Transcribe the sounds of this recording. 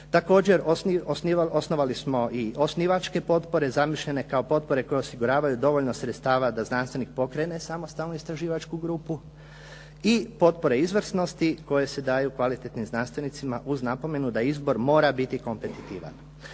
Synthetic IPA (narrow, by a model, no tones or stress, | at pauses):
t̪ako̞ːd͡ʑe̞ɾoosnio̞sno̞ʋalismo̞ʔiʔo̞sniʋat͡ʃke̞po̞t̪po̞ɾe̞zamiʃʎene̞kao̞po̞t̪̚po̞ɾe̞ko̞je̞osiɡuɾaːʋajud̪o̞ʋoʎnosɾet̪st̪aːʋad̪aznanst̪ʋe̞nik̚po̞kɾe̞ne̞samost̪alnuist̪ɾaʒiːʋat͡ʃkuɡɾuːpu | ipo̞t̪po̞ɾe̞izʋr̩sno̞st̪iko̞je̞se̞d̪aːjukʋalit̪et̪nimznanst̪ʋe̞nit̪simaʔuznapo̞me̞nud̪aizbo̞ɾmo̞ːɾabit̪iko̞mpe̞t̪it̪iːʋa̰n